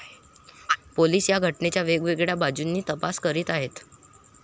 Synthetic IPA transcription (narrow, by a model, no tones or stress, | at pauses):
poliːsjaɡʱəʈnet͡ɕjaʋeɡʋeɡɭjabad͡ʑunːiːt̪əpaskəɾiːt̪aɦet̪